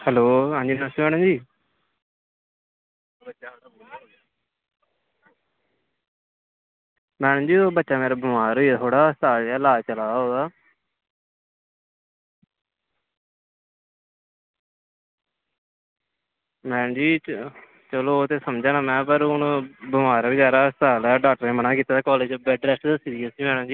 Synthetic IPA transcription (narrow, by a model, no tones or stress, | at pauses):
həloːɦãːɲd͡ʒiːnasʋɛːɽãːd͡ʒiː | mɛːñːd͡ʒiːoːbətːʃaːmeːɾaːbəmaːɾɦoːiːɛːt̪ʰoːɽaːst̪aːd͡ʒɛːlaːt͡ʃəlaːɦoːd̪aː | mɛ̃ːnd͡ʒiː | t͡ʃəloːt̪eːsəmd͡ʒaːnãːmɛ̃ːpəɾʊnbəmaːɾbɪd͡ʒaːɾaːst̪aːlɛːɖaːk̚ʈəɾeːmənaːkiːt̪aːd̪aːkɔːleːd͡ʒbɛːɖɾɛːsʈd̪əsiːd̪iːaːsiːmɛːɽãːd͡ʒiː